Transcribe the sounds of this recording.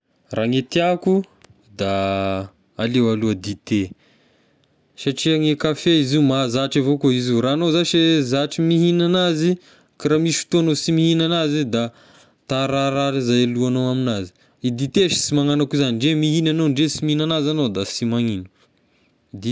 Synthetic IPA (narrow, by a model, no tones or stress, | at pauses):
raŋet̪iaku | d̪aː | lewaluad̪it̪e | saʈ͡ʂiaŋekafeizimazaʈ͡ʂavokoizuɾanozaʃezaʈ͡ʂimiɦinanazi | kaɾamiʃft̪uanosimihinanazid̪a | t̪aɾaɾaɾizajaluanowaminazi̥ | id̪it̪eʃi̥simaŋanakuzaniɳɖ͡ʐemiɦinanoɳɖ͡ʐesimiinanazanod̪asimaŋinu̥ | d̪i